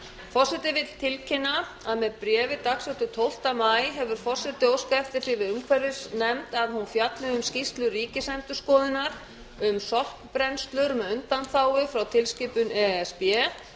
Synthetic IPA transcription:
fɔr̥sɛt̪ɪvɪð̥t̪ʰɪlcʰɪnːa | aðmɛðpɾɛːvɪt̪aksɛht̪ʏt̪ʰowl̥t̪amaːjɦɛvʏɾ̥fɔr̥sɛt̪ɪowskaft̪ɪθɪvɪðʏmkʰvɛɾɪsnɛmt̪aðhunfjat̪lɪʏmscist̪lʏriːcɪsɛnt̪ʏskɔːðɪnaɾ̥ | ʏmsɔl̥kpɾɛnst̪lʏɾmɛðʏnt̪anθaːwɪfɾawt̪ʰɪlscɪːpʏnɛɛspɛ

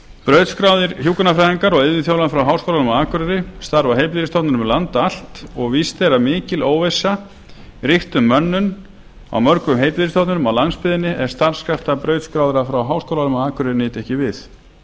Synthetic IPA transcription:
pɾœɥt̪skɾawðɪɾçjuːkʏnafɾaːjðiŋkaɾɔɣɪððɪnθjowlanfɾawɦaːwskowlanʏmaaːkʏɾɪɾɪst̪aɾvaɦejplɪɾɪst̪owt̪nʏnʏmlant̪al̥t̪ɔɣvist̪ɛɾamɪːcɪloːwvejsa | rɪht̪ʏmːœnːʏn | a̰wmœɾkʏmɦejplɪðɾɪst̪owt̪nʏnʏmawlanspɪðɪnːɪʔɛɾ̥st̪aɾ̥skɾaft̪apɾœːɥt̪skɾaːwðɪɾafɾawɦawskowlanʏmaaːkʏɾɪɾnːɪːt̪ɛhcɪvɪθ

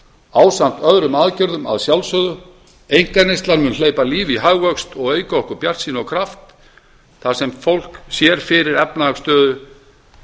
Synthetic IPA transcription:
aːwsan̥t̪œðɾʏmaːðcʏɾðʏma̰ðsjawlsœðʏ | ejŋ̥kanejst̪lanmʏnleːjpaliːviɦaɣvœkst̪ɔɣeːjkaɔhkʏɾpjar̥t̪sinɔkʰɾaft̪ | θasɛmfowl̥ksjɛɾ̥fɪɾɪɾɛpnaast̪œːðʏ

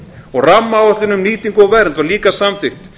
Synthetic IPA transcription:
ɔɣramːaɔht̪lɪnʏmniːt̪iŋkʏɔɣvɛrnvaɾliːkasamθɪxt̪

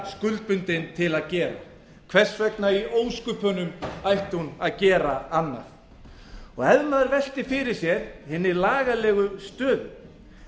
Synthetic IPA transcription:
skʏlt̪̚pʏnt̪ɪnt̪ʰɪlaðcɛːɾa̰ | kʰv̥ɛr̥svɛknaioːwskʏpʰœnʏmajht̪ɪhunaðcɛːɾaanːa̰θ | ɔɣɛðmaðʏɾvɛl̥t̪ɪfɪɾɪɾ̥sjɛɾ̥hɪnːɪlaːɣalɛːɣʏst̪œːðʏm

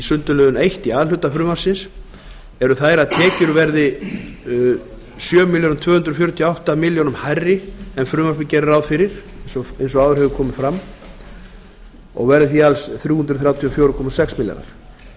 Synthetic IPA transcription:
isʏnt̪ʏlœːðʏnejht̪iaːðl̥ʏt̪afɾʏːmaɾ̥sɪns | ɛɾʏθaːjɾat̪ʰɛːcʏɾvɛɾðɪ | sjœːmɪljonmt̪ʰvœːhʏnt̪ɾɔfjɔɾʏt̪ʰijɔawht̪amɪljonʏmhajrːɪɛmfɾʏːmaɾpɪcɛːɾɪɾawðfɪɾɪɾ̥ensɔejnsɔɣaːwðʏɾhœɣʏkʰɔːmɪfɾamː | ɔ̰ɣvɛɾðɪθialsθɾjuːhʏnt̪ɾʏ̥θɾjaːwt̪ʰiɔfjoːwɾʏkʰɔmasɛksmɪlja̰na̰ɾ̥

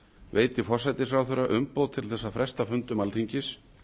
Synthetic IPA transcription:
veːjt̪ɪfɔr̥sajt̪ɪsfɾaːwθʏɾaʔʏmpoːwt̪ʰɪlθɛsːafɾɛst̪afʏnt̪ʏmalθiɲcɪs

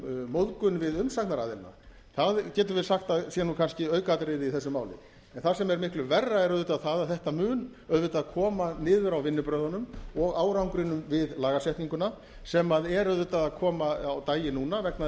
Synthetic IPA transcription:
moðkʏnvɪðʏmsaknaɾaːðɪlna̰ | θaðcɛːt̪̬ʏɾvɪðsaxt̪aðsjɛnukʰanscɪœːɥkat̪ɾɪðɪiθɛsːʏmaːwlɪ̰ | ɛnθasɛmɛɾmɪhklʏvɛrːaɛɾœðʏt̪aðθaðaðθɛht̪amʏːn | œɥðvʏt̪aaðkʰɔːmanɪːðʏɾawvɪnːʏpɾœːðanʏmɔɣaːwɾawŋkɾɪnʏmvɪðlaːɣasɛht̪niŋkʏna | sɛmaðɛɾœɥðʏt̪aðaðkʰɔːmaawt̪aːjɪnuːnavɛkna

